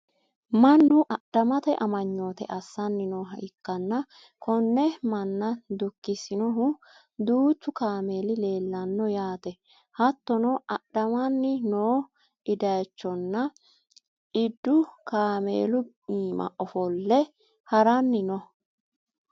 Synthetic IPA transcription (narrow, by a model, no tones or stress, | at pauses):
mɐnːʊʔɐɗ̥ɐmɐt̪ɐʔɐmɐɲːo̞ːt̪ɛ̰ʔɐsːɐnːɪnoːɦɐɪkːɐnːɐ | kʰɔnːɛmɐnːɐd̪ʊkːɪsɪnɔɦʊ | d̪uːt͡ʃːʊkaːme̞ːlɪle̞ːlːɐnːɔjaːt̪ɛ | hɐt̪ːɔnɔʔɐɗ̥ɐmɐnːɪnoː | ɪd̪ɐjt͡ʃːɔnːɐ | ɪd̪ːʊkaːmḛːlʊ | iːmɐ̰ʔɔfɔlːɛ | hɐɾɐnːɪnɔ